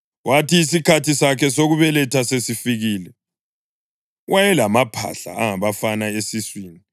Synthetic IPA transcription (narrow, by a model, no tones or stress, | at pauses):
watiːs̬ikʰatisakʰɛsoɣuβɛlɛtʰasesifiɣiːlɛ | wajɛlamapʰa̰ɬa̰aŋaβafanaesiswiːni